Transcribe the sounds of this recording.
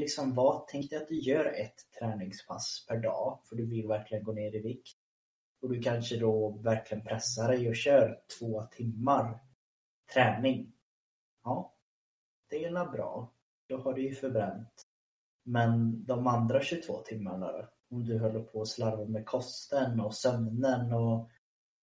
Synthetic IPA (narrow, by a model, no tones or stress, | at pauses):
lɪksɔmvat̪ʰɛŋkt̪ɪat̪̚d̪ɵjœːɾɛt̪ʰːɾɛːnɪŋspʰa̰spʰæɖɑ̰ːfœɖɵvɪlvæɾklɪɡənɡoːneːɾɪvɪkt̪̚ | ɔd̪ɵkʰanʂəd̪ɔvæɾklɪɡənpʰɾɛsːaɾɛjɔɕœːɾt̪ʰvoːt̪ʰɪmːaɾ | t̪ʰɾɛːnɪŋ | ɑː | d̪̥ɛɪlabɾɑ̰ː | d̪̥ɔhaɖɵjɵfœɾbɾɛnt̪ | mɛnd̪ɔmand̪ɾaɕɵt̪ʰv̥o̰ːt̪ʰɪmːaɳa̰ɾa̰ | ɔmd̪ɵɦœlːəpʰɔːslaɾvamɛkʰɔst̪ənɔsœmnənɔ